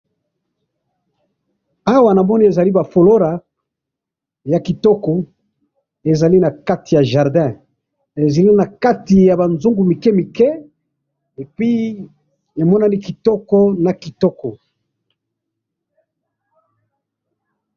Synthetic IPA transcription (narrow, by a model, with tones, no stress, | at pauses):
a˦wa˨na˨mɔ˦ni˦e˨za˨li˦ba˨fo˨lo˦ʁa˨ | ja˨ki˨tɔ˦kɔ˨ | e˨za˨li˦na˨ka˦ti˨ja˨ʒa˨ʁdɛ̃˦ | e˨za˨li˦na˨ka˦ti˨ja˨ba˨nzu˦ŋɡu˨mi˨kɛ˦mi˨kɛ˦ | e˨pi˦ | e˨mɔ˦na˦ni˦ki˨tɔ˦kɔ˦na˨ki˨tɔ˦kɔ˨